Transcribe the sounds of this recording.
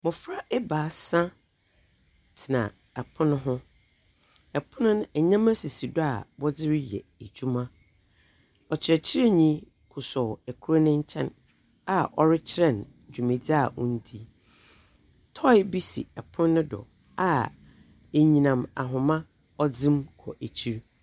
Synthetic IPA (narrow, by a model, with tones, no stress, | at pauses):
mʊ̃˨fɾa˦ʔɛ˦baː˨sã˦ | tʰɪ˨nã̰˨ | ɛ˨pʰʊ̃˦nʊ̃˦ɦʊ̃˦ | ɛ˨pʰʊ̃˦nʊ̃˦n˦ɛ˨ɲã˦mã˦si˨si˨dʊ˦a̰˨bɔ˦d͡zɪ˦ɾɪ˦jɛ̰˨e˨d͡ʑᶣu˦mã˦ | ɔ˨t͡ɕʰɪ˨ɾɛ˨t͡ɕʰɪ˦ɾe˦ɲĩ˦ | kʰʊ˨sɔ˨ɛ˨kʰu˦ɾa˦nʊ̃˦ɲ̩˦t͡ɕʰɛ̃˦n | a˦˨ʔɔ˦ɾɪ˦t͡ɕʰɪ˦ɾɛ˨n | d͡ʑᶣu˨mẽ˨di˦a˨ʔʊ̃˦n̩˦tʰi˦ | tʰɔ˦ɪ˦bi˦sḭ˨ɛ˨pʰʊ̃˦nːʊ̃˦dɔ̰˨ | a˨ | e˨ɲĩ˨nã˨ma̰˨ɦʊ̃˨mã˦ | ɔ˦d͡zɪ̃˦mkʰɔ̰˨ʔe˨t͡ɕʰi˦ɾ